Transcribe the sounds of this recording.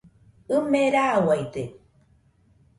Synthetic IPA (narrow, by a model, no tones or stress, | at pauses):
ɨmeɾawajt̪e